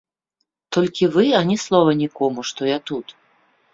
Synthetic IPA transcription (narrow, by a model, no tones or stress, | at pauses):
t̪ɔlʲkʲivɨanʲislˠɔvɐnʲikɔmuʂt̪ɔjat̪ut̪